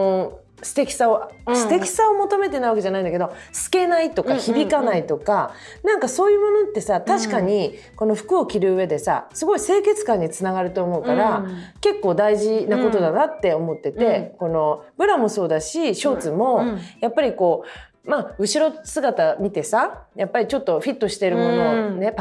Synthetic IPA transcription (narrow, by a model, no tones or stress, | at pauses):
o | sɨ̥t̪e̞kʲi̥saosɨ̥t̪e̞kʲi̥sao̞mo̞t̪o̞me̞t̪enaiβake̞ʑanaĩd̪ake̞d̪o̞sɨ̥ke̞nait̪o̞kkaçibʲikanait̪o̞kanãŋkaso̞ːjɯ̟ːmo̞no̞t̪ːe̞sat̪aɕi̥kaɲ̟i | ko̞no̞ɸɯ̥kɯ̟o̞kʲiɾɯ̟ɯβe̞d̪e̞sa̰sɨɡo̞ise̞ːke̞t͡sɨ̥kãɲ̟ːit͡sɨnaɡaɾɯ̟t̪o̞ːmo̞ɯkaɾake̞kːo̞ːd̪aiʑinako̞t̪o̞d̪anat̪ːe̞o̞mo̞t̪ːe̞t̪e̞ko̞no̞bɯ̟ɾamo̞so̞ːd̪aɕiɕo̞ːt͡sɨmo̞japːaɾʲiko̞ː | maɯ̟ɕiɾo̞sɨɡat̪amʲit̪e̞sajapːaɾʲit͡ɕo̞t̪ːo̞ɸʲit̪ːo̞ɕi̥t̪e̞ɾɯ̟mo̞no̞ne̞